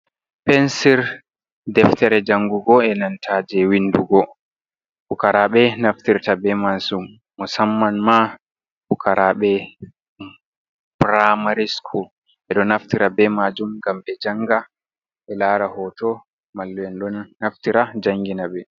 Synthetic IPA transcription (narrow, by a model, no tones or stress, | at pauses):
pɛnsiɾ | dɛftɛɾɛd͡ʒaŋɡuɡɔɛnantʰaːd͡ʒɛwinduɡɔ | bukaɾaɓɛnaftiɾtabɛmasumː | ɔsamːanma | fukʰaɾaɓɛ | bɾamaɾiskʰɔ | ʔɛɗɔnaftiɾabɛmad͡ʒumɡamɓɛd͡ʒaŋɡa | ʔɛlaːɾahɔtɔ | malːwɛnɗɔnːaftiɾad͡ʒaŋɡinabɛ